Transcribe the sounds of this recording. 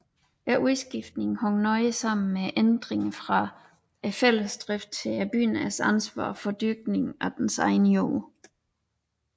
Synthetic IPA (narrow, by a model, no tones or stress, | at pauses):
ʔæʔuðˠsɡ̥ifd̥ne̝ŋ̩hɔŋnɒɪsɑ̈m̰n̩meʔend̥ʁeŋfʁɑ̈ | fel̰əsd̥ʁɛfd̥̚t͡sʰe̝æb̥y̰ːnæsænsʋɑ̰̈ːfɒ̽d̥yɡ̥̚ne̝ŋʔɒd̥ensɑ̈ɪnəjo̰ː